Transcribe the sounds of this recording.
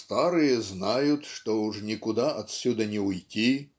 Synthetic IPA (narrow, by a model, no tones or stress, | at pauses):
st̪aɾɨjɐznajut̪ʲʂt̪ɔuʐnʲikud̪aʔɐt̪sʲud̪ɐnʲɛujtʲi